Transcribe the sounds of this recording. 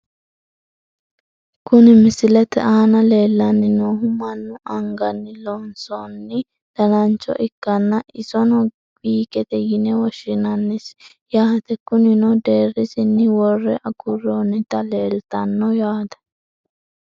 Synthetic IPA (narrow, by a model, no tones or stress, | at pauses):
kʊnɪmɪsɪlɛt̪ɛ̰ʔaːnɐle̞ːlːɐnːɪnoːɦʊmɐnːʊʔɐŋɡɐnːɪlonsonːɪ | d̪̥ɐlɐnt͡ʃːɔ̰ʔɪkːɐnːɐʔɪsɔnɔ | biːkɛt̪ɛjɪnɛwɔʃɪnɐnːɪs | jaːt̪ɛkʊnɪnɔd̪e̞ːrːɪsɪnːɪwɔrːɛʔɐkʊrːonɪt̪ɐle̞ːlt̪ɐnːɔjaːt̪ɐ̥